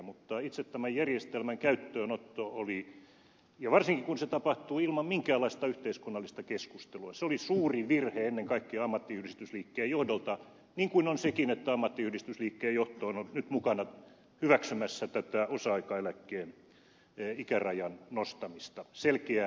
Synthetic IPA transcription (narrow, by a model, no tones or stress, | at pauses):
mut̪ːɑit̪set̪t̪æmæjjærjest̪elmæŋkæyt̪ːøːnot̪ːooli | jɑʋɑrsiŋkikunset̪ɑpɑht̪uːilmɑmmiŋkæːlːˑɑˑist̪ɑyht̪eiskunːɑlːist̪ɑkeskust̪eluɑseolisuːriʋirheenːeŋkɑikːeɑɑmːɑt̪ːiyhdist̪ysliːkːeːjjohdolt̪ɑ | niːŋkuinonsekinet̪ːæɑmːɑt̪ːiyhdist̪ysliːkːeːjoht̪oːnonnyt̪mukɑnɑ | hyʋæksymæsːæt̪æt̪æosɑɑikɑelækːeːn | ikærɑjɑnnost̪ɑmist̪ɑselkeæ